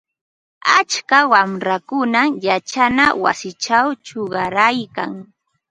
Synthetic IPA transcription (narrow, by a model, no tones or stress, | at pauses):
at͡ʃkawamɾakʊnajat͡ʃanawa̰sɪt͡ʃawt͡ʃoɢɑɾajka̰ŋ